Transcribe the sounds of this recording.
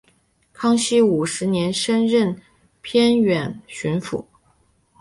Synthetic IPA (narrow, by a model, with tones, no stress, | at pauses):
kʰɑ˥ŋɕi˥u˨˩ʂɻ̩˧˥njɛ˧˥nʂə˥nɻə˥˩n | pʰjɛ˥nɥɛ˨˩˦nɕy˧˥nfṵ˧˥˦